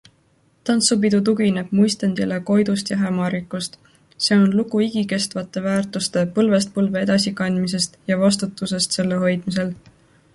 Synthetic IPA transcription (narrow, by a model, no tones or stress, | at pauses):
t̪ɑnsupid̪ut̪̬uɡ̥ine̞b̥̚mujst̪end̪ileko̞jd̪̥ust̪jɑɦæmɑɾikːˑust̪ | se̞o̞nlukuiɡike̞st̪vɑt̪ːˑe̞væːrt̪ˑust̪e̞pɤlve̞st̪̚pɤlve̞e̞d̪̥ɑsikɑnʲd̪mis̬e̞st̪jɑvɑs̬t̪ut̪ːˑuse̞st̪se̞lːe̞ɦo̞jd̪̥mis̬e̞l